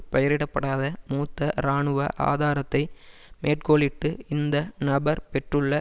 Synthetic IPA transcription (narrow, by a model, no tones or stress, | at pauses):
pɐjɐɾɪɽɐpːɐɽaːðɐmuːt̪ːɐɾaːɳɯʋɐʔa̰ːðaːɾɐt̪ːɐɪmeːʈ̚koːɭɪʈːɯɪnd̪ɐnɐbɐɾpɛʈrɯɭːɐ